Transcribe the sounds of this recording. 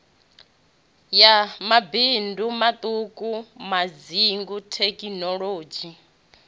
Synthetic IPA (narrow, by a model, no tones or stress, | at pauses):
jamabindumat̪ʼukʼumaziŋɡutʰɛkʼinɔɺoːd͡ʒi